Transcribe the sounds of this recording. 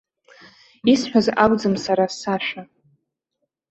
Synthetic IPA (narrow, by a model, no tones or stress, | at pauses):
isħʷᶣazaɡʷd͡zɨmsaɾasaʃʷᶣa